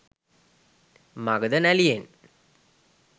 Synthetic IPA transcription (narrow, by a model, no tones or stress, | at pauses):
maɡəd̪ənælijen